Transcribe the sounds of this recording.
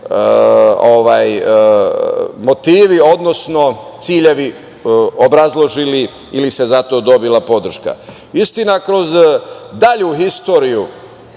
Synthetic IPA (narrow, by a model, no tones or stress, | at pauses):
oʋaːj | mo̞t̪iːʋio̞d̪no̞sno̞t̪siːʎe̞ʋi | obɾazlˠo̞ʒili | ilise̞zat̪o̞d̪o̞bilapo̞d̪r̩ʃka̰ | ist̪inakɾo̞zd̪aʎuhist̪o̞ːɾiju